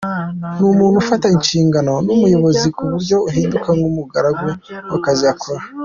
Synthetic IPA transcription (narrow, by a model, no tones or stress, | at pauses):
numuːn̤ufataiɲt͡ʃiːŋɡano̞numujo̞βo̞zikuβuɾɟo̞uɦiːndukaŋɡumuɡaɾaɡwewakaziakʰoɾa